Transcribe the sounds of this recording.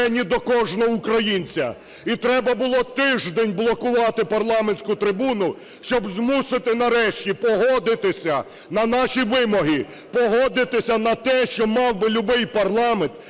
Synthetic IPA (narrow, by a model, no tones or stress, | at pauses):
ɛnʲid̪ɔkɔʒnɔʊkɾɐjinʲt͡sʲɐ̰ | it̪ɾɛbɐbʊlˠɔt̪ɪʒd̪enʲblˠɔkʊʋɑt̪ɪpɐrlˠɑmenʲsʲkʊt̪ɾɪbunʊ | ʃt͡ʃɔbzmusɪt̪ɪnɐɾɛʃtʲipɔɦɔd̪ɪt̪ɪsʲɐ | nɐnɑʃiʋɪmɔɦi | pɔɦɔd̪ɪt̪ɪsʲɐnɐt̪ɛʃt͡ʃɔmɑwbɪlʲʊbɪjpɐrlˠɑment̪